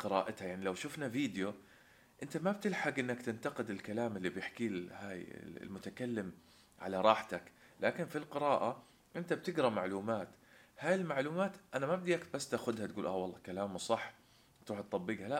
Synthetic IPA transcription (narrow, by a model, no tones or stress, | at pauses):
qɨɾɑ̰ːʔat̪hajaʕnilawʃʊfnaviːd̪jo | ʔɪnt̪amab̚t̪ɪlħaɡʔɪnːakt̪ɪnt̪ɑqɪd̪ɪlkalaːmɪlːibjɪħkiːhaːj̰lmʊt̪akalːɪm | ʕa̰laɾˤɑːħt̪aklaːkɪnfilqɨɾˤɑːʔa | ʔɪnt̪ab̚t̪ɪɡɾˤɑmaʕluːmaːt̪haːjɪlmaʕluːmaːt̪ʔanamab̚d̪iʔak̪̚basːt̪ʔaxʊd̪hat̪ɡuːlʔaːwɑlˤːɑkalaːmsˤɑħː | t̪ɾuːħt̪ˤːɑbːiːɡhala